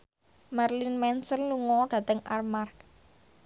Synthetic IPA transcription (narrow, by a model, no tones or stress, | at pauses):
marlɪnmɛnsənluŋɔɖ̥ä̤t̪əŋʔarmar